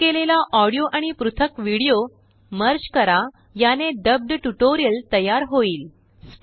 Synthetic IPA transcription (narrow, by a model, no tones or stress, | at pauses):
elelaʔɔɽijoʔaɽ̃ipɾut̪ʰəkʋiɽijo | məɾd͡ʑkəɾa | janed̪əb̚d̪ʈuʈoɾijəlt̪əjaɾɦoiːl | s